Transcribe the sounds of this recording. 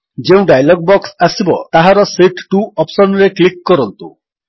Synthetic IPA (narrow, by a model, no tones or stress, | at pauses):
d͡ʒeũɖajlɔɡ̚bɔksasibɔt̪aɦaɾɔseʈʈuɔpsɔnɔɾeklikːɔɾɔnt̪ṵ